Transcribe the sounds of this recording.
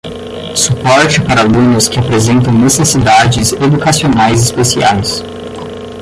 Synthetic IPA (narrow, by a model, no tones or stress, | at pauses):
supɔɾt͡ʃɪpaɾɐalũnʊskɪapɾezẽnt̪̬ɐ̃w̃nesesid̪ad͡ʒɪzed̪ukasionajzɪspesia̰js